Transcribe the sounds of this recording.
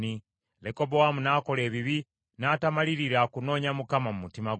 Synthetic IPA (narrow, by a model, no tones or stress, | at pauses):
ni | leko̞bowamunaːko̞le̞ːβiβi | naːtamaliɾiɾakuno̞ːɲamukamamumutima